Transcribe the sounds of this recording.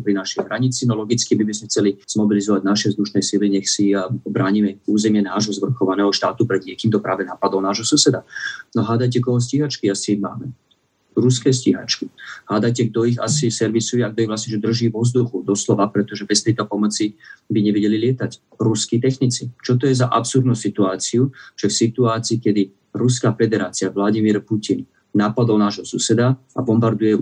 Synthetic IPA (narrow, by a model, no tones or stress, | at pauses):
pɾinaʃɛjɦɾaɲit͡sinɔlɔɡit͡skibibizmɛxt͡sɛliz̥mɔbilizɔʋaɟnaʃɛvzd̪uʃnɛjsiliɲɛxsibɾaːɲimɛuːzɛmɪɛnaːʒɦɔzʋr̩xɔʋanɛːɦɔʃt̪a̰ːt̪upɾɛd̪ɲɪɛkiːmt̪ɔpɾa̰ːʋɛnaːpad̪ɔmnaːʒɦɔsusɛd̪anɔɦaːd̪ajc̬ɛkɔɦɔs̬ciɦat͡ʃkiasima̰ːmɛ | ɾuskɛːsciɦa̰t͡ʃkiɦad̪ajcɛɡ̚d̪ɔiɣa̰sisɛɾʋisujɛaɡ̚d̪ɔiɣʋlasɲɛʒɛd̪r̩ʒiːʋɔzd̪uxud̪ɔslɔʋapɾɛt̪ɔʒɛbɛst̪ɛjt̪ɔpɔmɔt͡sibiɲɛʋɛɟɛlilɪɛt̪ac | ɾuskit̪ɛxnit͡sit͡ʃɔt̪̬ɔjɛzaʔapsuɾd̪nuːsit̪uaːt͡siuʒ̥ɛfsit̪uaːt͡siːkɛd̪i | ɾus̬kaːfɛd̪ɛɾaːt͡siaʋlaɟimiɾpucin | naːpad̪ɔʊnaːʒɦɔsusɛd̪a | a̰bɔmbaɾd̪ujɛ